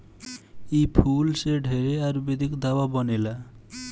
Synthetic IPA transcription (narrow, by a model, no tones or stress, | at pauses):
epʰulseɖʱeɾeaɾbed̪ikd̪awabɔnela